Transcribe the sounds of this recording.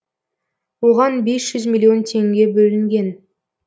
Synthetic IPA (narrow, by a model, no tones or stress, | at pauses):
woʁɑnbe̞sʒ̥ʏzmʲilʲːio̞nt̪ʲʰe̞ŋɡʲe̞bɵlɪŋɡʲe̞n